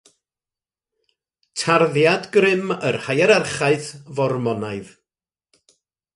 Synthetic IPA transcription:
tʰarðjadɡrɪmə̰rhajɛɾarχaɨθvɔrmɔnaɨð

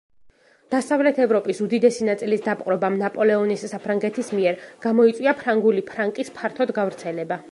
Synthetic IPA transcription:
d̪̥asavlɛt̪ʰɛvɾɔpʼisud̪id̪ɛsinat̪sʼilisd̪apqʼɾɔbamnapʼɔlɛɔnisːapʰɾaŋɡɛt̪ʰismiɛɾɡ̥amɔit̪sʼwiapʰɾaŋɡulipʰɾaŋkʼispʰaɾt̪ʰɔd̪ɡavɾt̪sʰɛlɛba

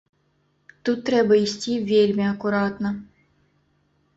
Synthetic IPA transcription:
t̪ut̪ːɾɛbɐisʲtʲivʲelʲmʲiɐkuɾat̪nɐ

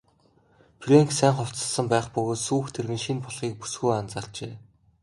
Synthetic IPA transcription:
pʰrʲeŋksæːŋχɔw̥t͡sə̆ɮsə̆mpæːχpɵɣoːt̪suːxt̪ʰerɣɘ̆nʃinpɔɮχiːk̚pu̥sɡujant͡saːrt͡ɕeː

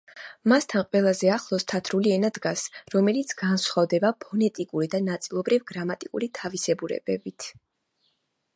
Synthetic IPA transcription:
mast̪ʰanqʼwɛlˠazɛaχlˠɔst̪ʰat̪ʰɾuliɛnad̪ɡasɾɔmɛlit̪sʰɡansχavd̪ɛbapʰɔnɛt̪ʼikʼuɾid̪anat̪sʼilˠɔbɾivɡɾamat̪ʼikʼṵɾit̪ʰavisɛbuɾɛ̰bɛbit̪ʰ

